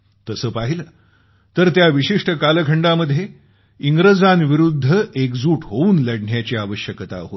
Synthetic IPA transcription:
t̪əsəːpaɦiləː | t̪əɾt̪jaʋiɕiʂʈəkaləkʰəɳɖaməd̪ʱːje | iŋɡɾəd͡zanʋiɾud̪ʱːəekd͡zuːʈʰɦouːnləɽɳjat͡ɕiaʋəɕjəkt̪a̰ɦot̪

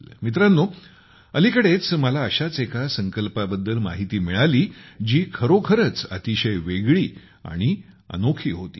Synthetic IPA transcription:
mit̪ɾanːo | əlikəɽet͡sməlaəɕat͡sekasəŋkəlpabəd̪ːəlma̰ɦit̪iːmiɭaliːd͡ʑiːkʰəɾokʰəɾət͡sə̰t̪iɕəjʋeɡɭiː | a̰ɽ̃i | ə̰nokʰiːɦot̪ḭː

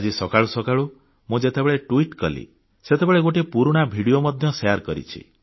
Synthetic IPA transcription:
ad͡ʒisɔkaɭusɔkaɭu | mũd͡ʒet̪ebeɭeʈuiʈkɔlḭ | set̪ebeɭeɡoʈepuɾuɽ̃abʱiɽijomɔd̪ʱjɔsejaɾkɔɾḭt͡ʃʰḭ

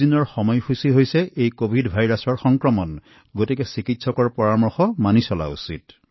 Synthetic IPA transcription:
inɔɹxɔmɔjkusiɦojsɛʔejkobʱidbʱajɹasɔɹxɔŋkɹɔmɔn | ɡotikɛsikitsɔkɔɹpɔɹamɔɹxɔmanisɔla̰ṵsḭt

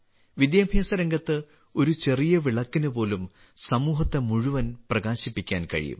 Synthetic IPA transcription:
ʋid̪jɐbʱjɐːsɐɾɐŋɡɐt̪ːɨ | o̞ɾut͡ɕe̞rijɐʋiɭɐkːinɨpo̞ːlum | sɐmuːɦɐt̪ːemuɻuʋɐnprɐɣaːɕipːikʲːaːnkɐ̰ɻḭjṵm

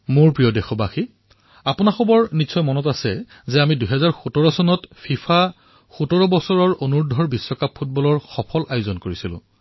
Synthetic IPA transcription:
mʊɹpɹijɔdexɔbaxi | apʊnaxɔbɔɹnisɔjmɔnɔtasɛ | zɛamiduɦɛzaɹxutɔɹɔsɔnɔtpʰipʰa | xutɔɹɔbɔsɔɹɔɹonuɹdʱɔɹbisːɔkapʰːut̚bɔlɔɹxɔpʰɔlajʊzɔnkoɹisilʊ̰̃

